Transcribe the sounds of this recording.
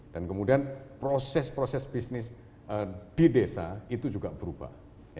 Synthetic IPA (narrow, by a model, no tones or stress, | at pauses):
d̥ankəmudianpɾosɛspɾosɛsb̥isnɪs | əd̥idesait̪ud͡ʒuɡab̥əɾuba̰h | j